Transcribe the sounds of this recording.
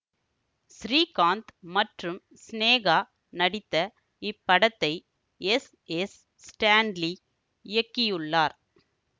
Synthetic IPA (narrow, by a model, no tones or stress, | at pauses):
sɾiːkaːnt̪mɐʈrɯm | sneːɣaː | nɐɽɪt̪ːɐ | ɪpːɐɽɐt̪ːɐɪ | ɛs | ɛs | sʈaːɳɖli | ɪjɐkːɪjɯɭːaːɾ